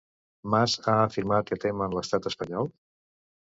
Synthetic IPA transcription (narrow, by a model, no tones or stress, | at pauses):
mazaəfiɾmat̪kɛt̪emənləst̪at̪əspəɲɔlˠ